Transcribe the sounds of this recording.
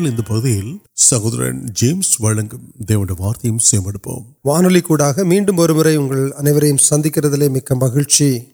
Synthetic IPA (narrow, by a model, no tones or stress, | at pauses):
ɭɪnd̪ɐpɐɣɯðɪjɪlsɐɣoːðɐɾɐ̰ɳd͡ʒeːmsʋɐɻɐŋɡɐmd̪eːʋɐɳɖɐʋaːɾt̪ɐjɯmsɛːɐmbɐɽɯpːo̰ːm | ʋaːnɐlikːuːɽaːɣɐmiːɳɖɯmɔɾɯmɯɾɐɪʊŋɡɐɭɐnɐɪʋɐɾɐjɯmsɐnd̪ɪkːɪrɐðɪleːmɪkːɐmːɐɣɪɻt͡ʃi